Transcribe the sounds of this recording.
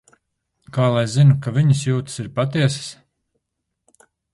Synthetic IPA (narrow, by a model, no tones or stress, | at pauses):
kaːlˠajzinukaviɲɐsjuːt̪siɾpat̪iɛsɨ̥s